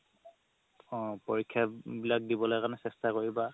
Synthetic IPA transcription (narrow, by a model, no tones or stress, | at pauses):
poɹikʰːjabilak̚dibɔlojkanɛsɛstakoɹiba